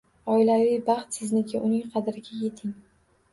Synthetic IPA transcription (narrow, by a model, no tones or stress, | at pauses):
ɒɪlavijbɑχt̪sɪznɪkʲɪʔʊnɪŋqʰɑd̪ɾɪɡʲaje̞t̪ʰɪŋ